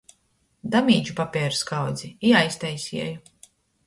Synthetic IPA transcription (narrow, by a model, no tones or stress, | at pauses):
d̪amʲiːd͡ʒupapʲɛɛɾskawd̪ziiajst̪ɛjsʲiɛju